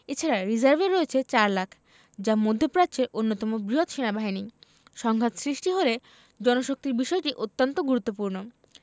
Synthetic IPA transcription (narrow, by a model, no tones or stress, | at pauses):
et͡ɕʰaɾaɾid͡ʑaɾveɾːoet͡ɕʰet͡ɕaɾlakʰ | d͡ʑamod̪ʱːopɾat͡ɕʰeɾʔonːot̪ɔmobɾiɦot̪ʃenabaɦini | ʃɔŋɡʱat̪sɾiʃʈiɦole | d͡ʑɔnoʃok̚t̪iɾbiʃɔeʈiʔot̪ːont̪oɡuɾut̪ːopuɾno